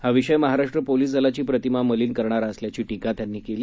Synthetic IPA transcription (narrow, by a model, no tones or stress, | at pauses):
haʋiʂəjməɦaɾaʂʈɾəpoliːsd͡zəlat͡ɕiːpɾət̪imaməliːnkəɾɳ̃aɾaəsljat͡ɕiːʈikat̪janːiːkeliː